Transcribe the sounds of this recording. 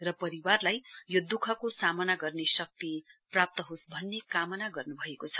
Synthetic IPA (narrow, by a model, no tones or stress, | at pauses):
rʌpʌɾiwarlajjod̪ukʰʌkosamʌnaɡʌrnesʌk̚t̪iprap̚t̪ʌɦosbʱʌnːekamʌnaɡʌrnubʱʌekot͡sʰʌ̥